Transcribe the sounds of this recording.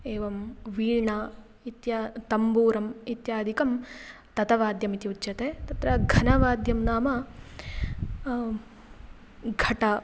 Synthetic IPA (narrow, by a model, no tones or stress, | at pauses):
eːʋɐmʋiːɻɳɐ | it̪jat̪ɐmbuːɾɐmit̪jaːd̪ʱikɐm | t̪ɐt̪ɐʋaːd̪jɐmit̪iut̪jɐt̪eːt̪ɐt̪ɾɐɡʱɐnɐʋaːd̪ʱjɐmnaːmɐ | ɡʱɐʈɐ